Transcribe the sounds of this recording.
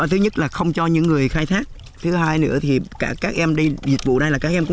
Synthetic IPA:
t̪ʰɨ˨˦ɲə˦˥t̚laː˨˩xə˧wŋ͡mt͡ɕɔ˧ɲɨ̰˧˥ŋːɨ˨˩əjxaː˧jt̪ʰaː˦˥k̚ | t̪ʰɨ˨˦ɦaː˧jnɨ̰˧˥ət̪ʰi˨˩kaː˧˩kaː˦˥k̚ʔɛ˧mɗi˧zi˨˩t̚vṵ˧˨na˧jlaː˨˩kaː˦˥k̚ʔɛ˧mkʊ̰˧˥

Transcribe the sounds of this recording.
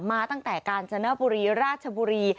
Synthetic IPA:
maː˧t̪a˥˩ŋt̪ɛː˨˩kaː˧nt͡ɕʰa˧na˦˥buː˧ɾiː˧ɾaː˥˩t̪̚t͡ɕʰa˧buː˧ɾiː˧

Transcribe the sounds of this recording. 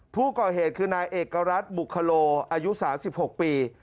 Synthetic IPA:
pʰuː˥˩kɔː˨˩heː˨˩t̪̚kʰɯː˧naː˧jʔeː˨˩kːa˧ɾa˦˥t̪̚bu˨˩kʰːa˧loː˧ʔaː˧ju˦˥saː˩˦msi˨˩p̚ho˨˩k̚piː˧

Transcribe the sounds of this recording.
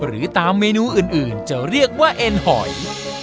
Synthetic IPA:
ɾɯː˩˦t̪aː˧mːeː˧nuː˧ʔɯː˨˩nʔɯː˨˩nt͡ɕa˨˩ɾi˥˩ək̚waː˥˩ʔe˧nhɔ˩˦j

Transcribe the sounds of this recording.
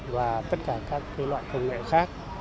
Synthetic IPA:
vaː˨˩t̪ə˦˥t̚kaː˧˩kaː˦˥kːa˨˦lwa̰ː˧˨jkə˧wŋ͡mŋḛ˧˨xaː˦˥k̚

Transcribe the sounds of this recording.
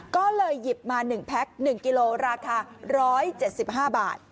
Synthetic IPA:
kɔː˥˩lɤː˧jːi˨˩p̚maː˧nɯ˨˩ŋpʰɛ˦˥k̚nɯ˨˩ŋki˧loː˧ɾaː˧kʰaː˧ɾɔː˦˥jt͡ɕe˨˩t̪̚si˨˩p̚ɦaː˥˩ba̰ː˨˩t̪̚

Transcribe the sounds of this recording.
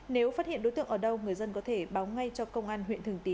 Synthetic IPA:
ne˨˦wfaː˦˥hḭ˧˨nɗo˨˦t̪ɨ̰˧˨əʔəː˧˩ɗə˧wŋɨ˨˩əjzə˧nkɔ˨˦t̪ʰe˧˩ɓaː˨˦wŋa˧jt͡ɕɔ˧kə˧wŋ͡mʔaː˧nɦwḭ˧˨nt̪ɨ˨˩ŋt̪i˨˦

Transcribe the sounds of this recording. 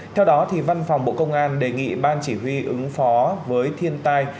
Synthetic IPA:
t̪ʰɛ˧wɗɔ˨˦t̪ʰi˨˩va˧nfɔ˨˩wŋ͡mɓo̰˧˨kə˧wŋ͡mʔaː˧nɗe˨˩ŋḭ˧˨ɓaː˧nt͡ɕi˧˩ɦwi˧ʔɨ˨˦ŋfɔ˨˦vəː˨˦jt̪ʰi˧ənt̪aː˧j

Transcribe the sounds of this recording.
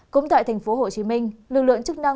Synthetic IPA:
kʊ̰˧˥ŋ͡mt̪a̰ː˧˨jt̪ʰa˨˩ŋ̟fo˨˦ɦo˨˩t͡ɕi˨˦mï˧ŋ̟lɨ˨˩k̚lɨ̰˧˨əŋt͡ɕɨ˦˥k̚na˧

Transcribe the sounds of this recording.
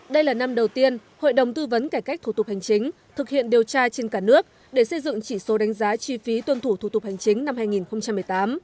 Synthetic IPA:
ɗə˧jlaː˨˩na˧mɗə˨˩wt̪i˧ənho̰˧˨jɗə˨˩wŋ͡mt̪ɨ˧və˨˦nkaː˧˩jka˦˥k̚t̪ʰu˧˩t̪̚ha˨˩jŋ̟t͡ɕï˨˦ŋ̟ | t̪ʰɨ˨˩k̚hḭ˧˨ənɗi˨˩əwt͡ɕaː˧t͡ɕe˧nkaː˧˩nɨ˦˥ək̚ | ɗe˧˩sə˧jzɨ̰˧˨ŋt͡ɕi˧˩so˨˦ɗa˨˦jŋ̟zaː˨˦t͡ɕwi˧fi˨˦t̪wə˧nt̪ʰu˧˩t̪ʰu˧˩t̪ʊ˨˩k͡p̚ha˨˩jŋ̟t͡ɕï˨˦ŋna˧mhaː˧jŋi˨˩nxə˧ŋ͡mt͡ɕa˧mːɨ˨˩əjt̪aː˨˦m

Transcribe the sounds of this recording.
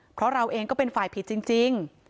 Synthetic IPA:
pʰɾɔ˦˥ɾa˧wʔeː˧ŋkɔː˥˩pe˧nfaː˨˩jpʰi˨˦t̪̚t͡ɕi˧ŋt͡ɕi˧ŋ

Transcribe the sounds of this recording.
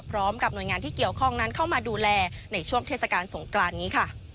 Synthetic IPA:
pʰɾɔː˦˥mka˨˩p̚nu˨˩əjŋaː˧nt̪ʰiː˥˩ki˨˩əwkʰɔ˥˩ŋna˦˥nkʰa˥˩wmaː˧duː˧lɛː˧na˧jt͡ɕʰu˥˩əŋt̪ʰeː˥˩t̚sa˧kaː˧nso˩˦ŋklaː˧nːiː˦˥kʰa˥˩

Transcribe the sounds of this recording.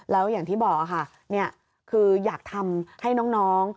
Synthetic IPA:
lɛː˦˥wjaː˨˩ŋt̪ʰiː˥˩bɔː˨˩k̚a˨˩kʰa˥˩ | ni˥˩ɐ | kʰɯː˧jaː˨˩k̚t̪ʰa˧mha˥˩jnɔː˦˥ŋnɔː˦˥ŋ

